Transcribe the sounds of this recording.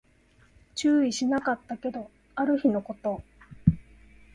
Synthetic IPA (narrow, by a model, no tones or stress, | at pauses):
t͡ɕɨːiɕinakat̪ːake̞d̪o̞ | aɾɯ̟çino̞ko̞t̪o̞